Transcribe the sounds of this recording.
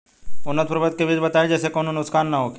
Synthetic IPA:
ʊnːət̪pɾəbət̪̚keʋɪd̪ʱbɐt̪aːed͡ʒɛːsekoːnonʊt̪skaːnːaɦoːke

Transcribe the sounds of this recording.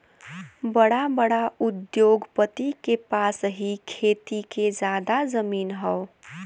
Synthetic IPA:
bəɽabəɽaud̪joɡpət̪ikepasɦikʰet̪iked͡ʒad̪azəmiːnɦəo

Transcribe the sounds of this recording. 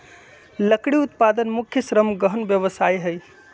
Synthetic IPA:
ləkɽiut̪pad̪ənmukʰːjəsɾəmɡəɦənbjəβəsajɦəj

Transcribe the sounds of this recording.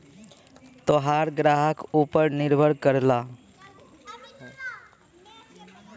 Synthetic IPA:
t̪oɦaːɾɡɾaːɦəkuːpəɾnɪɾbʱəɽkəɾlaː

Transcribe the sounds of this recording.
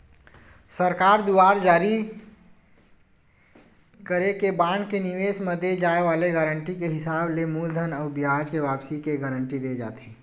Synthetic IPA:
səɾkaːɾd̪uaːɾd͡ʒaːɾi | kəɾekebãːɳkeniʋeːsməd̪ʱed͡ʒaːeʋaːleɡəɾəɳʈikeɦɪsaːblemuːld̪ʱənɔːbiɦaːd͡ʒkeʋaːpsikeɡəɾəɳʈid̪ed͡ʒa̰ːt̪iː

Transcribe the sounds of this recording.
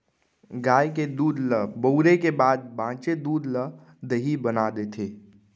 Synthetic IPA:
ɡaːjked̪uːd̪ləbəwɾekebaːd̪̚bãːt͡ʃed̪uːd̪lə | d̪əɦibənad̪et̪ʰeː

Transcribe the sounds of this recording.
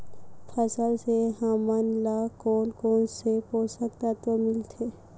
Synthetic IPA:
pʰəsəlseɦamanlakoːnkoːnsepoːsəkt̪at̪omɪlt̪ʰe

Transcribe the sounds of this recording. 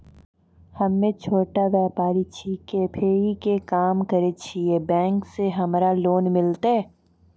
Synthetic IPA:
hɐmːẽt͡ʃʰoːʈaʋjɛːpaːɾit͡ʃʰikepʰeːikekaːmkɐɾet͡ʃʰiebɛ̃ːŋkseɦɐmɾaloːnmɪlt̪e

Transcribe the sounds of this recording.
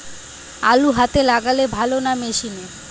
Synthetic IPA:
aluɦat̪elaɡalebʱalonameʃine

